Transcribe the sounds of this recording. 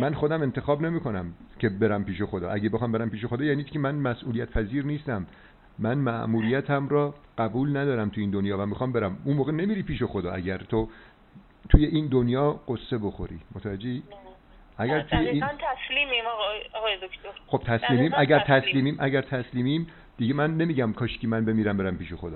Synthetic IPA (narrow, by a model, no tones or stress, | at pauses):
mænxo̞d̪æme̞nt̪ʰe̞xɒːbne̞miːkʰo̞næmcʰe̞be̞ɾæmpiːʃe̞xo̞d̪ɒ̰ːʔæɟebexɒːmbe̞ɾæmpiːʃ̬exo̞d̪ɒːjæːnikʲʰemænmæsʔuːlijæt̪̚pʰæziːɾniːst̪æmː | ænmæʔmuɾijæt̪ʰæmɾɒːɢ̥æbuːlnæd̪ɒːɾæmt̪ʰuiːnd̪onjɒːvæmːixɒːmbeɾæmunmoːɣenemiɾiːpiːʃe̞xo̞d̪ɒ̰ːæɟæɾt̪ʰo | t̪ʰujeʔind̪onjɒːɢ̥osːe̞bo̞xo̞̰ɾḭːmot̪ʰævæd͡ʒːei | ʔæɡæɾt̪ʰujeint̪ʰæsliːmimɒɣɒɣɒːjed̪okʰt̪oɾχo̞b̥̚t̪ʰæslliːmiːmæɡæɾt̪ʰæsliːmiːmʔæɟæɾt̪ʰæsliːmiːm | d̪̥iɟemænːe̞miːɟæmkʰɒːʃcʰʲimænbe̞miːɾæmbeɾæmpiːʃexo̞d̪ɒ̰ː